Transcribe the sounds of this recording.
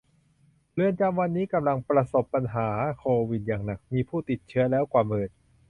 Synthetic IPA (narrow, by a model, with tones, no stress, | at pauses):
lɯ˧ənt͡ɕa˧mwa˧nːiː˦˥ka˧mla˧ŋpɾa˧so˨˩pːa˧nɦaː˩˦kʰoː˧wi˨˩t̪̚jaː˨˩ŋna˨˩k̚miː˧pʰuː˥˩t̪i˨˩t̪̚t͡ɕʰɯ˦˥ɐlɛː˦˥wkwaː˨˩mɤː˨˩t̪̚